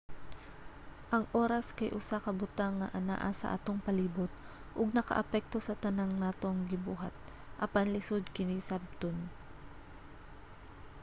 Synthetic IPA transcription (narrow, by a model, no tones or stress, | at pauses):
ʔɐŋʔo̞ːɾɐskɐjʔʊsakɐbʊt̪aŋːɐ̰ʔɐna̰ʔa̰sɐ̰ʔa̰t̪oŋpɐliːbʊt̪̚ | ʔʊɡ̚nɐkɐ̰ʔɐpɛk̚t̪o̞sɐt̪ɐnaŋnaːt̪oŋɡɪbuːɦat̪̚ | ʔɐpanlɪsod̪̚kɪnisab̚t̪on